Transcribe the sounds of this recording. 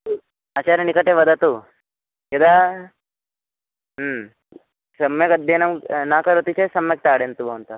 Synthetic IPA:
ɐt͡ʃaːɾɐnikɐʈeʋɐd̪ɐt̪u | ked̪a | sɐmjɐkɐd̪ʱjɐnɐmnaːkɐɾot̪it͡ʃesɐmjɐk̚t̪aːɽent̪ubɐunt̪ɐ

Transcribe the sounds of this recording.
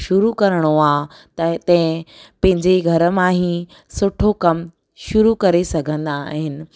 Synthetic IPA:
ʃʊɾukɐɾəɽ̃oaː | t̪ɐt̪ɛ̃pɐ̃ɦɪ̃ɲd͡ʑeɡʱɐɾəmãːɦĩ | sʊʈʰokɐm | ʃʊɾukɐɾesɐɡʱə̃nd̪aɦɪnɪ̆

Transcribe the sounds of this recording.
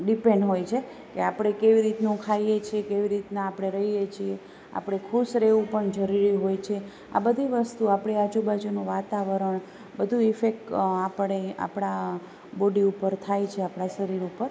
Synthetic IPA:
ɖipẽɳɖɦojt͡ʃʰe | keapɽ̃ekeʋiɾit̪nũkʰaijet͡ʃʰiekeʋiɾit̪naːpɽ̃eɾəɦijet͡ʃʰie | a̰pɽ̃ekʰusɾeʋũpəɳd͡ʒəɾiɾiɦojt͡ʃʰe | a̰bəd̪ʱiʋəst̪uapɽead͡ʒubad͡ʒunũʋat̪aʋəɾəɳ | bəd̪ʱuifek̚ʈapəɳea̰pɽ̃a | boɖiupəɾt̪ʰajt͡ʃʰeapɽaʃəɾiɾupəɾ

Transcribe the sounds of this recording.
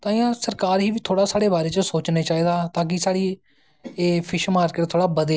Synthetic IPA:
t̪ãːɪjãːsəɾkaːɾɦiːʋiːt̪ʰoːɽaːsaːɽeːbaːɾeːt͡ʃəsoːt͡ʃneːt͡ʃaːiːd̪aːt̪ãːk̬ɪsaːɽiː | eːpʰɪʃmaːɾkət̪t̪ʰoːɽaːbəd̪e

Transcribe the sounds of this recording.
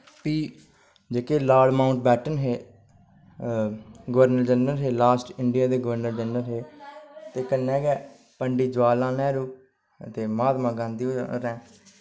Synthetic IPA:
piː | d͡ʒeːkeːlaːɾɖmaːʊ̃ɳʈ̚bɛːʈənɦeː | ɡəʋəɾnəɾd͡ʒənəɾɦeːlaːsʈɪɳɖijaːd̪eːɡəʋəɾnəɾd͡ʒənːəɾɦeːt̪eːkənːɛ̃ːɡɛː | pəɳɖiːd͡ʒʋaːlãːnɛːɾuː | t̪eːmaːd̪mãːɡãːnd̪iːoɾɛ̃ː

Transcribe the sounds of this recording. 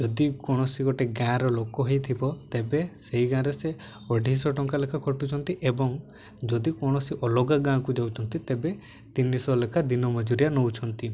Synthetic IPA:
d͡ʒɔd̪ikɔɽ̃ɔsiɡɔʈeɡãɾɔlokɔɦejt̪ʰibɔt̪ebeseɦiɡãɾese | ɔɖʱisɔʈɔŋkalekʰakʰɔʈut͡ʃʰɔnt̪iʔebɔŋ | d͡ʒɔd̪ikɔɽ̃ɔsiʔɔlɔɡaɡãkud͡ʒawt͡ʃʰɔnt̪it̪ebe | t̪inisɔlekʰad̪inɔmɔd͡ʒuɾijanowt͡ʃʰɔnt̪i

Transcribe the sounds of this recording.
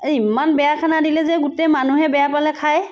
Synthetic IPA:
imanbɛjakʰanadilɛzɛɡutemanuɦɛbɛjapalɛkʰaj

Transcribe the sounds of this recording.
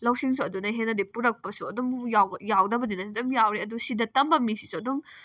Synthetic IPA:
lɐwsiŋsuɐdunɐɦenːɐdipuɾɐk̚pɐsuɐdɔmjawjawdɐbɐninɐsdɐmjawɾiɐdusidɐtɐmbɐmisisuɐdɔŋ

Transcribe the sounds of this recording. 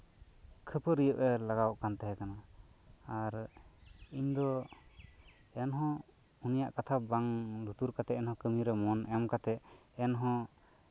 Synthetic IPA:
kʰəpəɾijəʔɛlaɡawʔkant̪ɛɦɛkanaː | ɾ | iɲd̪ɔ | ɛnɦɔ̃ | unija̰ʔkat̪ʰabaŋlut̪uɾkat̪ɛɛnhɔ̃kəmiɾɛmɔnɛmkat̪ɛʔɛnɦɔ̃

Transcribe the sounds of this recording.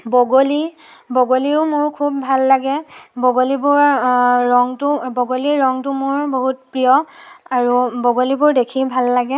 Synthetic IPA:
bɔɡoli | bɔɡoliʊmʊɹkʰub̚bʱalːaɡɛbɔɡolibʊɹː | ɔŋtʊbɔɡoliɹɔŋtʊmʊɹboɦut̚pɹijɔaɹubɔɡolibʊɹdekʰibʱalːaɡɛ

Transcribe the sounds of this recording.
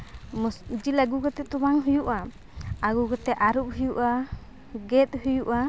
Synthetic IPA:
msd͡ʒilaɡuɡɔt̪ɛt̪ubaŋɦujuʔa | aɡuɡɔt̪ɛʔaɾup̚ɦujuʔa | ɡɛt̪̚hujuʔa

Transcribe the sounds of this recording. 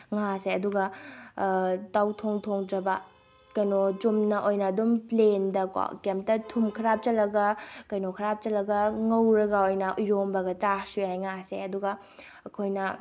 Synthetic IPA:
ŋaseɐduɡɐ | tawtʰoŋtʰoŋtɾɐbɐ | kɐjnot͡ʃumnɐʔojnɐːdumplendɐka̰kemp̚tɐtʰumkʰɐɾap̚t͡ʃɐlːɐɡɐkɐjnokʰɐɾap̚t͡ʃɐlɐɡɐŋɐwɾɐɡaojnɐʔujɾombɐɡɐt͡ʃasujajŋasḛɐduɡɐ | ɐkʰojnɐ

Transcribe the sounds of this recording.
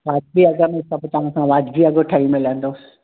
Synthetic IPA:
ʋaːd͡ʒbiɐɡəmẽsɐbt̪ɐɦãkãʋaːd͡ʒbiɐɡoʈʰaimɪlə̃nd̪oːsɪ̥

